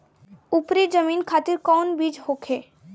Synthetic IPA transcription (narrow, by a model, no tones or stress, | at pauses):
upɾid͡ʒəminkʰat̪iɾkɔnbid͡ʒɦokʰe